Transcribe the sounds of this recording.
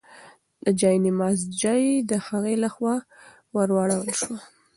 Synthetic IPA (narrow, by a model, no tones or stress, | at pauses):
d̪̥əd͡ʒɑjnimɑsd͡ʒɑjd̪əhaɣelaxwɑ | wəɾwɑɽawəlʃwa